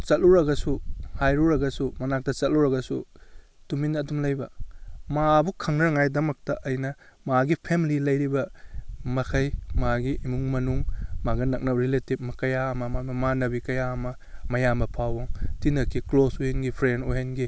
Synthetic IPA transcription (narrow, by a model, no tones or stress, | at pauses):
t͡ʃɐt̚luɾɐɡɐsuhajɾuɾɐɡɐsumɐnak̚tɐt͡ʃɐtluɾɐɡɐsu | tuminɐːdumlɐjbɐmabukʰɐŋnɐɾɐŋajdɐmɐk̚tɐʔɐjnɐ | maɡipʰemililɐjɾibɐmɐkʰɐjmaɡiʔimuŋmɐnuŋmaɡɐnɐk̚nɐp̚ɾiletip̚mɐkɐjaɐmɐmamɐmanɐbikɐjaɐmɐ | mɐjamɐpʰawɐŋtinɐkːiklosohenɡipʰɾendoɦenɡi